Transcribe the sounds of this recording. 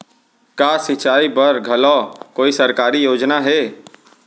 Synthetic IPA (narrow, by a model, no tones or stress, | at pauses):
kaːsɪt͡ʃaːibɐɾɡʱɐlɔːkoːisɐɾkaːɾijoːd͡ʒnaɦɛː